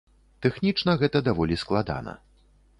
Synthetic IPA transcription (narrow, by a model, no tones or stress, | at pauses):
t̪ɛxnʲit͡ʂnɐɣɛt̪ɐd̪avɔlʲisklˠad̪a̰nɐ̰